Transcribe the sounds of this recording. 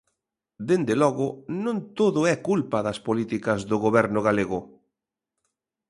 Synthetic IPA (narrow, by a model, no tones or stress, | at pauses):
d̪end̪elɔɣʊnõnt̪oðʊɛkulpɐðɐspolit̪ikɐzðʊɣoβɛɾnʊɣaleɣʊ